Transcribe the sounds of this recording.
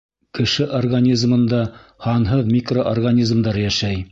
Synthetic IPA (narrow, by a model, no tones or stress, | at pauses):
kɘ̆ʃɘʔorɡanʲizmɤ̆nd̪ɑhɑnɦɤðmʲikroʔorɡanʲizmd̪ɑɾjæʃæj